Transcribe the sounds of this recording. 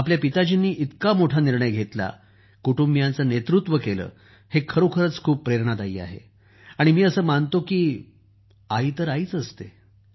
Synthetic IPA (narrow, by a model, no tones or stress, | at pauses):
apljapit̪ad͡ʑinːiːʔit̪kamoʈʰaniɾɳəjɡʱet̪la̰ | kuʈumbjant͡sənet̪ɾut̪ʋəkelə̰ː | hekʰəɾokʰəɾət͡skʰuːpːɾeɾɳad̪aḭːa̰ɦḛ | aɽ̃imiːəsəːmant̪okiː | aɦiːt̪əɾaiːt͡səst̪e